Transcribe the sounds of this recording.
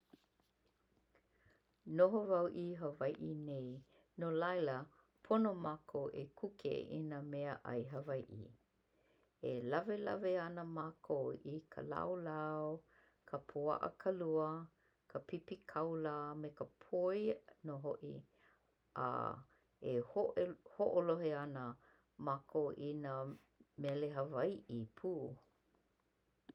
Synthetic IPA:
noɦovawʔiɦəvajʔinej | nolɐjlə | pʰonomakʰoʔḛkʰukʰḛḭnəmɛəʔɐ̰jɦəvajʔḭ | elɐvelɐ̰veɐnəmakʰoikʰə̰la̰wlaw | kʰəpʰua̰ʔə̰kʰaluə | kʰəpipikʰawlamekəpʰojnoɦoʔḭ | ʔa̰ | ehoʔhoʔoloɦeanə | makʰowʔinə | mɛleɦəvajʔipʰuː

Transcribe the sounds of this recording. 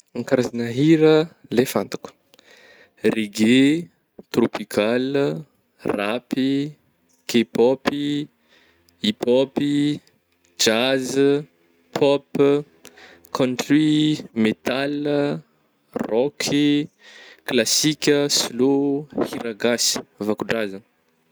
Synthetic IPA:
aŋkaɾazanəɦiɾəlefant̪ḁku̥ | reɡe | t̪ropikʰal | rapi | ɡ̥epɔpi | ipɔpi | d͡ʒaz | pʰɔp | kʰɔ̃ntrimet̪al | rɔkʰi | klasikʲəslohiɾaɡasi̥vakuɖ͡ʐazə

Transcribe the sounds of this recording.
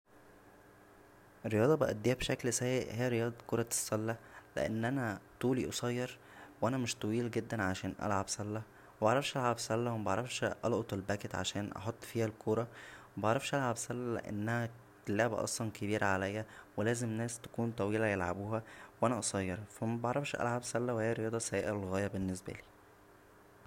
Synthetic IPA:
ʔeɾːejɑːd̪ˤɑbeʔæd̪ːeːhæbʃæklsæjːeʔhejæɾejɑːd̪ˤɑkoɾˤɑsˤːɑlːælḛʔḛnːʔænæt̪ˤuːliʔosˤɑjːɑɾˤ | wʔænæmeʃt̪ˤɑwiːlɡed̪ːænʕaʃæːnʔæ̰lʕabsˤɑlːæ | wbɑʕɾˤɑfʃʔælʕabsˤɑlːæwemæbɑʕɾˤɑfʃʔɑlʔot̪ˤelbæːket̪ʕa̰ʃæːnʔɑ̰ħot̪ˤːfiːhælkʰoɾˤɑwebɑʕɾˤɑfʃʔælʕabsˤɑlːælḛʔḛnːæhæ | t̪eleʕbæ̰ʔɑ̰sˤlɑnkebiːɾæʕalæjːæwelæːzemnæːst̪æ̥kuːnt̪ˤɑwiːlæjelʕa̰buːhæwʔænæʔɑsˤɑjːɑɾˤfæmæbɑʕɾˤɑfʃʔæ̰lʕabsˤɑlːæwhæːɾejɑːd̪ˤɑsæjæːʔælɣæːjæbenːesbæ̰liː

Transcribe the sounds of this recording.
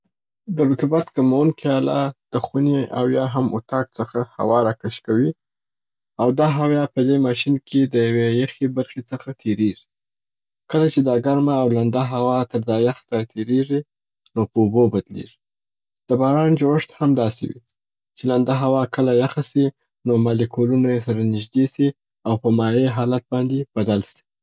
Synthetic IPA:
d̪əɾʊt̪ubat̪kamawənkiɑla̰d̪̥əxunea̰wjɑɦamo̰t̪ɑk̚t͡səxaha̰wɑɾakaʃkawi | awd̪ɑɦawjɑpəd̪emɑʃinkʰed̪əjawejaxebaɾxet͡səxat̪ʰeɾeʐi | kəlat͡ʃed̪ɑɡaɾmaːwland̪aɦawɑt̪əɾd̪ɑjaxt̪at̪ʰeɾeʐi | nopəubobad̪lḛʐi̥ | d̪̥əbɑɾɑnd͡ʒoəʂt̪hamd̪ɑsḛwḭ | t͡ʃeland̪aɦawɑkəlajaxasi | nomalekʰolunajes̬aɾanɪʒd̪esi | awpəmɑjeɦɑlat̪̚bɑnd̪eb̥ad̪alsi̥

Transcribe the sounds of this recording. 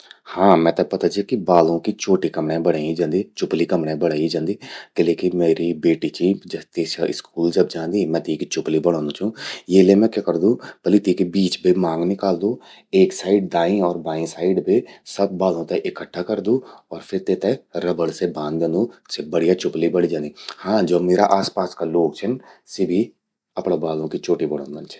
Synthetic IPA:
hãːmɛ̃ːt̪ɛpət̪aːd͡ʒikɪbaːlõːkit͡ʃʰoːʈiːkəmɳẽːbəɽaːĩd͡ʒãːnd̪iːt͡ʃʊpliːkəmɽẽːbəɽaːid͡ʒãːnd̪iːkɪleːkɪmeːɾiːbeːʈiːt͡ʃiːd͡ʒət̪eːsaɪskuːld͡ʒəbd͡ʒãːnd̪iːmɛ̃ːt̪ikit͡ʃʊpliːbəɽãːnd̪ũːt͡ʃũːeːlemɛ̃ːkekəɾd̪ũːpəliːt̪iːkebiːt͡ʃbiːmãːŋɡnɪkaːld̪ũː | eːksaːɪɖd̪aːĩɔːɾbaːĩsaːɪɖbʱisɐb̚ːaːlõt̪eʔɪkəʈʰːakɐɾd̪ũɔːɾpʰɪɾt̪et̪eɾɐbəɽsebãːnd̪d̪ẽnd̪ũsebɐɽ̤ijat͡ʃʊplibɐɽid͡ʒaːnd̪ihãːd͡ʒoːmeːɾa̰ʔaːspaːskaloːɡ̚t͡ʃʰɛnsebʱi | ɐpɽãbaːlõkit͡ʃʰoːʈibɐɽaːnant͡ʃʰɛ̥

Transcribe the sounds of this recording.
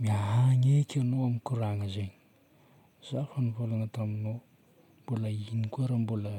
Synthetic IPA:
miaɦaŋekʲanoamikuɾaŋəzeɲi̥ | z̥afənivolanət̪amino | mbuləinikuaɾambulə

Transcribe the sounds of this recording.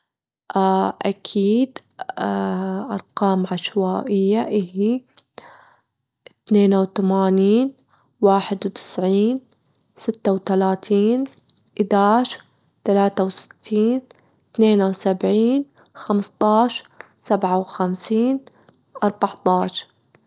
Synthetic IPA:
ʔaʔakʰiːd̪ | ʔɑ̰ɾˤqɑːmʕaʃwaːʔɪjːaʔɪhi | t̪neːnawt̪amaːniːn | waːħɪd̪wt̪ɪ̥sʕiːn | sɪt̪ːawt̪alaːt̪ʰiːn | ʔɪd̪aːʃ | t̪alaːt̪awsɪ̥t̪ʰːiːn | t̪neːnawsabʕiːn | xamst̪ˤɑːʃ | sabʕawxamsiːn | ʔɑɾˤbɑʕt̪ˤɑːʃɾ

